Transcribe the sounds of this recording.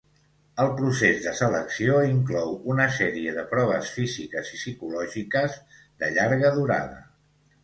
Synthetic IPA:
əlˠpɾusezðəsələksioiŋklɔwunəsɛɾiəðəpɾɔβ̞əsfizikəzisikulɔʒikəz | ðəʎaɾɣəðuɾa̰ðə̰

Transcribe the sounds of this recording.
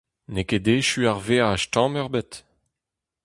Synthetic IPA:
neked̪eːʃyaʁveːaːʃtɑ̃mœʁbet̪

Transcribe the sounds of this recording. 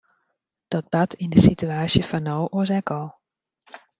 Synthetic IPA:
d̥ɔt̚b̥atʰɪndəsityaːsjəfɔnowʔoz̬ɛkɔlˠ

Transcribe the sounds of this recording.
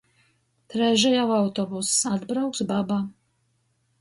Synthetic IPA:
t̪ɾɛʒajawawt̪ɔbusaad̪bɾawksbaba

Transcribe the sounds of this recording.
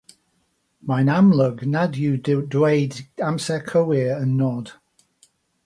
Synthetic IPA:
maɪnamləɡnadjʉdweɪdãmsɛkʰoʊɪəɹə̃nːɔd̥

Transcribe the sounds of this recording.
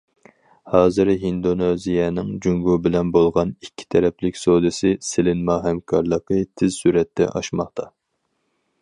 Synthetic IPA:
hɑːzɨɾɦind̪onezijɛnɪŋd͡ʒyŋɡubɪlɛnbolˠʁɑnikʲʰːi̥t̪ʰɛɾɛplɪkʲsod̪ɨsɪsɪlɪnmɑɦɛmkʰɑɾlˠəqət̪ʰɪzsyɾɛt̪ʰːɛ̰ʔɑ̰ʃmɑχt̪ʰɑ

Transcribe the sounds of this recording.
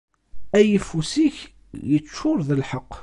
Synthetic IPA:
æjifusiç | jət͡ʃːʊɾðəlħəqː

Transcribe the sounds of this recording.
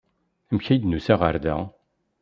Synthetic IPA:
mçæjd̪nusæʁaɾd̪æ

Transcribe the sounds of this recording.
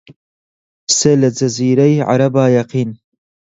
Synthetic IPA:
selɐd͡ʒɐziːɾɐjʕa̰ɾɐbaːjɐqiːn

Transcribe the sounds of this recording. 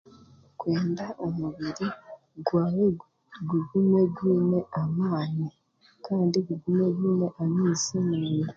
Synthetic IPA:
kwe̞ːndaʔo̞muβiɾi | ɡwaːwe | ɡuɡume̞ɡwiːne̞ʔamaːni | kʰaːndiɡuɡumeɡwiːne̞ʔamiːzimuːni

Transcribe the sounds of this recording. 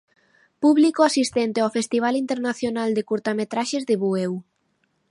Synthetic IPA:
puβlikoasist̪ɛnt̪eawfest̪iβ̞alint̪eɾnaθjonald̪ekuɾt̪amet̪ɾaʃezðeβuew

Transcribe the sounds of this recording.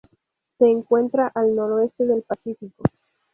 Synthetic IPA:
se̞ːŋkwe̞nt̪ɾaʔalno̞ɾoe̞st̪e̞ðe̞lpasifiko̞

